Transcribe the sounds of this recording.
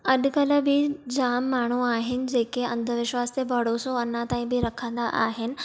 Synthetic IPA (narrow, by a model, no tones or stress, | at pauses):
ɐɗ̆kɐlə̆bɪd͡ʑaːmːaːɳ̤̃uaːɦɪnɪ̆d͡ʑeːkeɐ̃nd̪ʱə̆ʋɪʃʋaːst̪ebʱɐɽoːsoɐnãt̪ãːĩbɪɾɐkʰə̃nd̪aʔa̰ːɦɪnɪ̆